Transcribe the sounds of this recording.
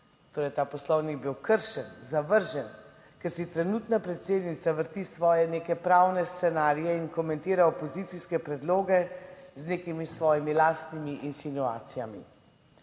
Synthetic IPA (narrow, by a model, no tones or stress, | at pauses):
t̪oːɾɛjt̪aːpɔslɔwniɡ̚biwkəɾʃɛnzaʋəɾʒɛn | kɛɾsit̪ɾɛnut̪napɾɛt̪seːd̪nit̪saʋəɾt̪isʋɔːjɛneːkɛpɾaːwnɛst̪sɛnaːɾijɛinkɔmɛnt̪iːɾaɔpɔzit̪siskɛpɾɛd̪loːɡɛzneːkimisʋɔːjimilaːst̪nimiʔinsinua̰ːt̪sijamḭ